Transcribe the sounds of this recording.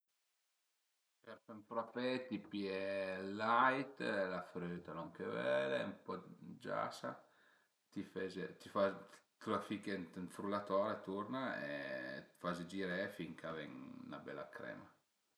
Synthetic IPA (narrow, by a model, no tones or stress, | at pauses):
pɛɾpɛmpɾɔpɛt̪ipiɛlajt̪lafɾøːt̪anɔŋkevɛlmpɔd͡ʒa̰sa | t̪ifɛzet̪ifat̪ulafikɛnt̪nfɾulat̪ɔɾet̪uɾnaḛfazed͡ʒiɾɛfiŋkavɛŋna̰bɛ̰la̰kɾɛ̰ma